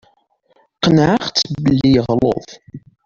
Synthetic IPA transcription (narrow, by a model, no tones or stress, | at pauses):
qənʕaχt͡sːbəlːijəʁlo̰ðˤ